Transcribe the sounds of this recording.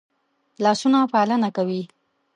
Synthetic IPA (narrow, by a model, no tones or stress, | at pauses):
lɑsunapalənakawi